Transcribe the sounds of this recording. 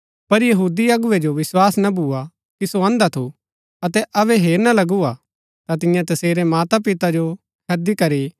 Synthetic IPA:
pɐɾjɐɦuːd̪iɐɡʊʋed͡ʒoʋɪswaːsnabʱuːa | kisoɐ̃ːnd̪at̪ʰu | ɐt̪ɛʔɐβɛɦeːɾnalɐɡua | t̪at̪ɪ̃jãt̪ɐseːɾɛmaːt̪ap̬ɪt̪ad͡ʒo | kʰɐd̪ikɐɾiː

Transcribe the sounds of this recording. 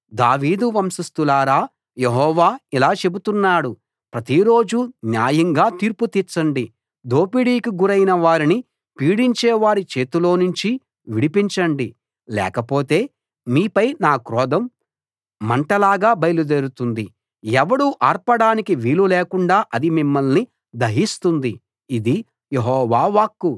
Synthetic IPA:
d̪a̰ːʋiːd̪uʋɐmsist̪ulaːɾaː | jeɦɔːʋaːilaːt͡ʃe̞but̪unːaːɽu | pɾɐt̪iɾo̞ːd͡ʒunjaːjɐŋɡaːt̪iːɾput̪iːt͡ʃːɐɳɖi | d̪o̞ːpiɽiːkiɡuɾɐjnɐʋaːɾini | piːɽiɲt͡ʃɛːʋaːɾit͡ʃe̞ːt̪ulo̞ːnuɲt͡ʃi | ʋiɽipiɲt͡ʃɐɳɖi | lɛ̰ːkɐpo̞ːt̪e̞ː | miːpɐjnaːkɾɔːd̪ɐmː | ɐɳʈɐlaːɡaːbɐjlud̪eɾut̪und̪i | ɛʋɐɽuʔaːɾpɐɽaːnikiʋiːluleːkuɳɖaːʔɐd̪imimːɐlni | d̪ɐɦist̪und̪iː | d̪i | jeɦɔːʋaːʋaːkːu

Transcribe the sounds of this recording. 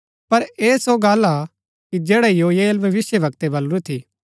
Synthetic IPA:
pɐɾeːsoɡaːla | kid͡ʒeːɽajoːjeːlbʱɐʋɪsjəʋɐkt̪ebɐlɾut̪ʰiː

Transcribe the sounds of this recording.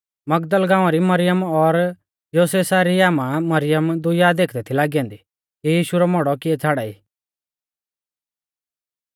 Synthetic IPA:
mɐɡd̪əlɡãːʋ̃aɾimɐɾɪjəmɔɾ | joːsesaɾiaːmãmɐɾɪjəmd̪ʊjad̪eːkʰd̪ɛt̪ʰilaːɡiɛ̃ːnd̪i | kijiːʃuɾɔmɔɽɔkiɛt͡sʰaːɽaiː

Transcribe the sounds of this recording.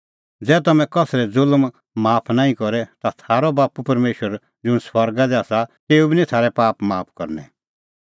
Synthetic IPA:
d͡zɛːt̪ɐmɛ̃kɔsɾɛd͡zʊlm | maːpʰnaːĩkɔɾɛt̪at̪ʰaːɾɔbaːpupɐɾmeːʃwəɾ | d͡zʊñswɐɾɡad̪ɛaːsat̪eːubinĩt̪ʰaːɾɛpaːpmaːpʰkɔ̰ɾnɛ̰

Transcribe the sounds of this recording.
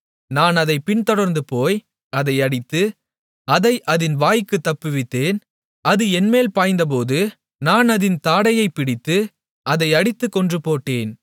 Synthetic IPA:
naːnɐðɐɪpɪnt̪ɔɽɐɾnd̪ɯpoːj | ɐðɐɪɐɽɪt̪ːɯ | ɐðɐɪʔɐðɪnʋaːjkːɯt̪ːɐpːɯʋɪt̪ːeːn | ɐðɯɛnmeːlpaːjnd̪ɐp̬oːðɯ | naːnɐðɪnt̪aːɽɐjɐɪpːɪɽɪt̪ːɯ | ʔɐðɐɪɐɽɪt̪ːɯkːɔndrɯpoːʈːeːn

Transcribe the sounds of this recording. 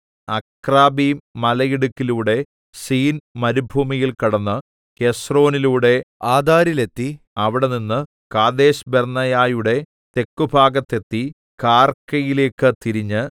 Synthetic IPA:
ɐ̰kraːbimɐlɐjiɽukːiluːɽe̞ | siːnmɐɾubʱuːmijilkɐɽɐnːɨ | ke̞sro̞ːniluːɽe̞aːd̪ʱaːɾilet̪ːi | ɐʋiɽe̞ninːɨ | kaːd̪eːɕbernɐjaːjuɽe̞ | t̪e̞kːubʱaːɡɐt̪ːe̞t̪ːi | kaːrkːɐjile̞ːkːɨt̪iɾiɲːɨ

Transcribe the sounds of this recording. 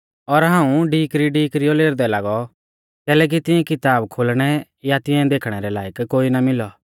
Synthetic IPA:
ɔɾɦãːũɖiːkɾiɖiːkɾioleːɾd̪ɛlaːɡɔ | kɛːlɛːk̬it̪ɪɛ̃kɪt̪aːbkʰolɽ̃ɛ | jat̪ɪɛ̃d̪eːkʰɽ̃ɛɾɛlaːjəkkoːinamɪlɔ

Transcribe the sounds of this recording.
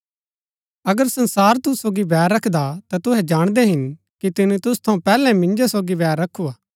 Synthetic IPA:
ɐɡəɾsɐ̃nsaːɾt̪ʊsoːɡibɛːɾːɐkʰd̪at̪at̪ʊɦɛd͡ʒaːɽ̃d̪ɛɦɪn | kit̪ɪnũt̪ʊst̪ʰɐ̃ũpɛːlɛ̃mɪ̃nd͡ʒosoːɡibɛːɾːɐkʰːuaː

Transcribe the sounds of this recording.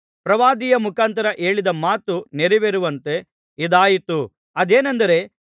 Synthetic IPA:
pɾɐʋaːd̪ijɐmukaːnt̪ɐɾɐʔe̞ːɭid̪ɐmaːt̪uneɾiʋeɾuʋɐnt̪e̞ | id̪aːjit̪u | ɐd̪eːnɐnd̪ɐɾe̞

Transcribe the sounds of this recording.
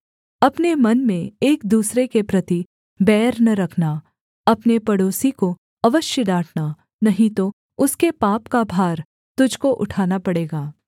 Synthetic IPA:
ɐpnemɐnmẽeːk̚d̪uːsɾekepɾɐt̪i | bɛːɾnɐɾɐkʰna | ɐpnepɐɽoːsiko | ɐʋəʃjəɖaːʈʰna | nɐɦĩt̪o | ʊskepaːpkabʱaːɾ | t̪ʊd͡ʒʱkoʔʊʈʰaːnapɐɽeːɡaː

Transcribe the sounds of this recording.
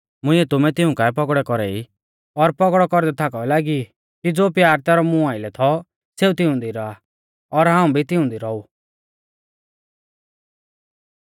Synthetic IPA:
mʊ̃ɪ̃ɛt̪ʊmɛt̪ɪũkaɛpɔkɽɛkɔɾɛi | ɔɾpɔkɽɔkɔɾd̪ɛt̪ʰakɔɛlaːɡi | kid͡zoːpjaːɾt̪ɛːɾɔmũaːɪlɛt̪ʰɔ | seːut̪ɪʊ̃nd̪iɾɔa | ɔɾɦãːũbʱit̪ɪʊ̃nd̪iɾɔu

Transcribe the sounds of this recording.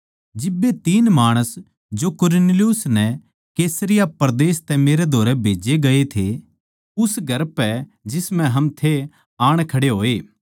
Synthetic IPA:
d͡ʒɪbːet̪iːnmaːɽ̃əs | d͡ʒokʊɾneljʊsnɛ | keːsəɾɪjapɐɾd̪eːst̪ɛmeːɾed̪ʱoːɾɛbʱeːd͡ʒeɡɐet̪ʰe | ʊsɡʱɐɾpɛd͡ʒɪsmɛ̃ɦɐmt̪ʰe | aːɽ̃kʰɐɽeɦoːeː

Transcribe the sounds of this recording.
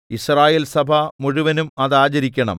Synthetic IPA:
israːjeːlsɐbʱɐmuɻuʋɐnumɐðaːt͡ɕɐɾikʲːɐɳɐ̰m

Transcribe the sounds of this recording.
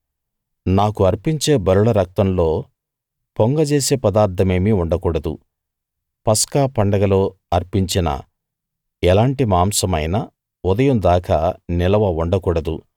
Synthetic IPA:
naːkuɐɾpiɲt͡ʃe̞ːbɐɾuɭɐɾɐk̚t̪ɐmlo̞ː | poŋɡɐd͡ʒeːse̞ːpɐd̪aːɾt̪ʰːɐme̞ːmiuɳɖɐkuːɽɐd̪ṵ | pɐskaːpɐɳɖɐɡɐlo̞ːɐɾpiɲt͡ʃinɐ̰ | ɛlaːɳʈimaːmsɐmɐjnɐ | ud̪ɐjɐmd̪aːkɐnilɐʋɐuɳɖɐkuːɽɐd̪ṵ

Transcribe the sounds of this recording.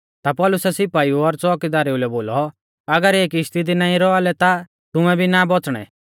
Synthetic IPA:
t̪apɔːlʊsɛsɪpaːiuɔɾt͡sɔːkid̪aːɾeulɛboːlɔ | ɐɡəɾeːkɪst̪it̪̬inãːĩɾɔalɛt̪a | t̪ʊmɛ̃bʱinabɔt͡sɽ̃ɛ̰

